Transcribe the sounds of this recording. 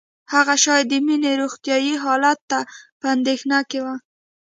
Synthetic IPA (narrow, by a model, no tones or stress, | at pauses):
haɣaʃɑjd̪əmineɾoxt̪jɑjiɦɑlat̪ːapəand̪exnakewa